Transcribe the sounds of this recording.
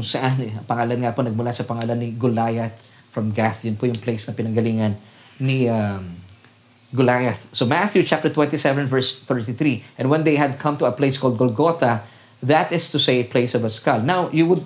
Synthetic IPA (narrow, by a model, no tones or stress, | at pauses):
kʊŋsɐʔanɐpɐŋaːlɐnŋaponɐɡ̚mʊlasɐpɐŋaːlɐnːiɡʊlajɐθ | fɹɐmɡaθjʊnpʊjʊŋplejsnɐpɪnɐŋɡɐliːŋɐn | niam | ɡʊlajɐθsomaθjut͡ʃap̚t̪əɹt̪wɛ̃nt̪isɛvɛnvɛɹst̪ɛɹt̪iθɾiʔɛ̃nwɛ̃nd̪ejɦɐd̪̚kʰɐ̃mt̪ʊɐpleɪjskɔld̪̚ɡolɡot̪ɐ | ðɐt̪ɪst̪ʊseɪpleɪsɔvɐskalnawjuwʊd̪̚